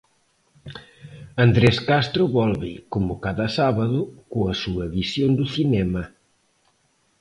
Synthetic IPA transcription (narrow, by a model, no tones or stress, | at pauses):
and̪ɾɛskast̪ɾʊβɔlβɪkomʊkaðɐsaβaðʊkoɐsuɐβisjond̪uθinɛmɐ